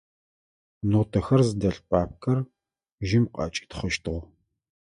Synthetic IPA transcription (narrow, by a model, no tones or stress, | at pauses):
noːtʰɐxɐrzɨdɐɬpʰʼaːp̚kʰɐr | ʒɪmqʼɑ̰t͡ʃʼi̥ːtχəʃtʰɨʁʷ